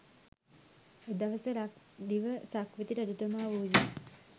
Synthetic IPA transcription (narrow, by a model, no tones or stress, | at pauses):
ed̪aʋəsəɾak | d̪iʋəsakʋit̪iɾad̪ut̪əmaːʋuːd͡ʒi